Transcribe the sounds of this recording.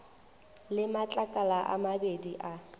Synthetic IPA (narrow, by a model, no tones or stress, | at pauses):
lɪmat͡ɬʼakʼalaʔa̰mabediʔa